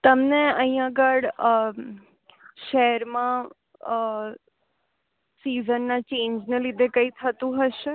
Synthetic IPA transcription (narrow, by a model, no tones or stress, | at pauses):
t̪əmneəɦĩjãɡəɽ | ʃɛɦɛɾmã | sizənːat͡ʃẽːɲd͡ʒnelid̪ʱekəit̪ʰət̪ũɦəʃe